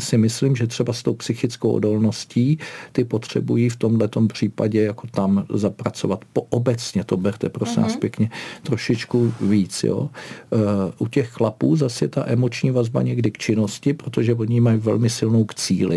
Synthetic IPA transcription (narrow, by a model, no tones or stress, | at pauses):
sɪmɪslimʒɛt̪r̥ɛbast̪o̞wpsɪxɪt͡skowʔo̰do̞lno̞sciːt̪ɪpo̞t̪r̝̥ɛ̰bujiːft̪o̞mdlɛt̪o̞mpr̝̥iːpaɟɛjako̞t̪amzapɾat͡so̞̰vat̪poʔobɛt͡sɲɛt̪o̞bɛɾt̪ɛpɾosɪna̰ːspjɛkɲɛt̪ɾo̞ʃɪt͡ʃkuviːt͡sjo̰ː | ʔucɛxxlapuːzasjɛt̪a̰ʔɛmo̞t͡ʃɲiːvazba̰ɲɛɡdɪkt͡ʃɪno̞scɪpɾot̪o̞ʒɛo̞ɲɪmajivɛ̰lmɪsɪlnowkt͡siːlɪ̰